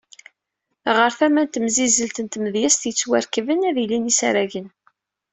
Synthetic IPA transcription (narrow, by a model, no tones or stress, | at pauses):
ʁəɾθæmænt̪əmzizəlt̪ənt̪məðjæst̪jət͡sːwæɾkəvənæðilinisæɾæʝən